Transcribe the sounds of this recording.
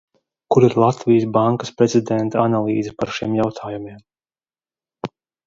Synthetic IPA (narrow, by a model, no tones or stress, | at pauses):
kuɾiɾlˠat̪vijsbaŋkḁspɾɛzid̪ɛnt̪aanalˠiːzɛpaɾʃiɛmjawt̪ʰaːjumiɛm